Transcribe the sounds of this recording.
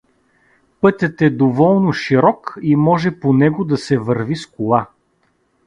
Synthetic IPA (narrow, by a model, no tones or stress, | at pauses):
pɤt̪ʲət̪ɛd̪ovɔlˠnʊʃiɾɔkimɔʒɛponɛɡʊd̪ɐsɛvɤɾviskʊlˠa